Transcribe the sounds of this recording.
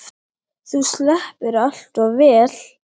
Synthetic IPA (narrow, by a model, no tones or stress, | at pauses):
θuslɛhpɪɾal̥t̪ɔɣvɛːl̥